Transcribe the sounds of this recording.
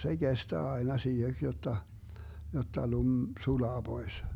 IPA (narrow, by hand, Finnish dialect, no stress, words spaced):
se ɡ̊estæː ɑinɑ siːheks jotːɑ jotːɑ lum sulɑː b̥ois